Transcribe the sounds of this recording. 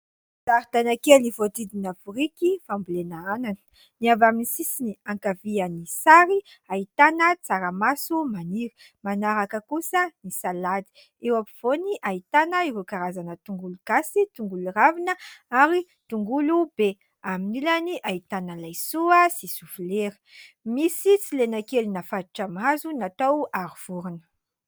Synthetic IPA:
t̪aɾit̪anakelivod̪id̪inavuɾikifambulenaanani̥ | niavaminisisiniaŋkavianisaɾiait̪anət͡saɾəmasumaniɾi̥ | manaɾakəkusənisalad̪i̥ | ewapiv̥oniʔait̪anəiɾukaɾazanət̪uŋɡuluɡasit̪uŋɡuluravinəaɾi | t̪uŋɡulub̥e | aminilaniʔait̪anəlajsuəsisufuleɾi̥ | misit͡silenakelinafad̪iʈ͡ʂamazunat̪owaɾuv̥uɾunə̥

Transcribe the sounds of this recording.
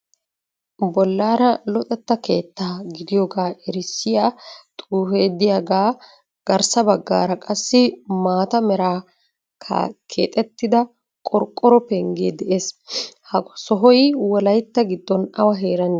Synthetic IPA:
bɔlːaːɾɐlɔt̪ʼɛt̪ːɐke̞ːt̪ːaːɡɪd̪ɪjɔːɡaːʔɛɾɪsːɪjaːt̪ʼuːfeːd̪ːɪjaːɡaː | ɡ̥ɐɾsɐbɐɡːa̰ːɾɐkʼɐsːɪmaːt̪ɐmɛɾaː | kʰɐ̰kʰḛːt̪ʼɛt̪ːɪd̪ɐ | kʼɔɾkʼːɔɾɔpɛŋɡeːd̪ɛʔeːshɐɔsɔɦɔjwɔlɐjt̪ːɐɡɪd̪ːɔnɐwɐɦeːɾɐnː

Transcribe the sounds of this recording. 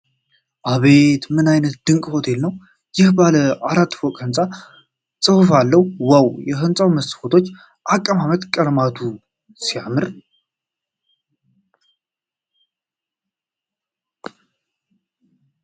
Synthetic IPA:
ʔaβe̞t̪mɨnajnət̪̚d̪̥ɨŋkʼho̞t̪ʰe̞lnəw | jɪhbaləaɾat̪ːfɔkʼhɨnt͡sʼa | sʼɨhfalːəwwawjɛɦɨnsʼawməsfot̪ʰo̞t͡ʃː | ʔakʼːəmamət̪kʼəlmat̪ʰu | sijamɨɾ

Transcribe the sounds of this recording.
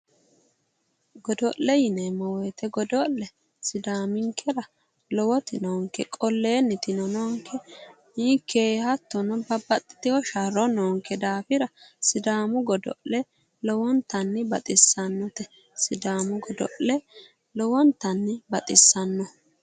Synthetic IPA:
ɡɔd̪ɔllɛjɪnɛmɔweːt̪ɛɡɔd̪ɔlːɛ | sɪd̪aːmɪŋkʰːɛɾɐ | lɔwɔt̪ɪnɔŋkɛkʼɔlːeːnɪt̪ɪnɔnɔːŋkʰːɛ | ɪkːeːhɐt̪ːɔnɐbɐbɐt̪ʼːɪ̥t̪ɪwɔʃɐɾɔnɔːŋkʰɛd̪aːfɪɾɐsɪd̪aːmʊɡɔd̪ɔ̰ʔlɛ | lɔwɔnt̪ɐnːɪbɐt̪ʼɪsːɐnːɔt̪ɛ | sɪd̪aːmʊɡɔd̪ɔ̰ʔlɛ | lɔwɔnt̪ːɐnːɪbɐt̪ʼɪsːɐnːɔ

